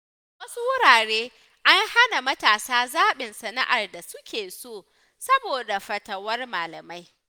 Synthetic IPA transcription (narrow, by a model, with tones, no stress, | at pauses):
wɐ˦su˦wʊ˦ɽaː˨ɽeː˦ | ʔa˦ŋha˦na˨mɐ˦taː˨saː˦zaː˦ɓɪ˨nsɐ˨na̰˦ʔa˨rda˨sʊ˦kʲʰeː˨soː˦˨ | sɐ˦boː˨da˨ɸɐ˨tɐ˨wɐ˦rmaː˨lɐ˨ma˦j